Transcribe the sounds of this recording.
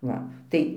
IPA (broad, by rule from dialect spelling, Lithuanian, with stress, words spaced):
ˈʋɐ ˈtɐɪ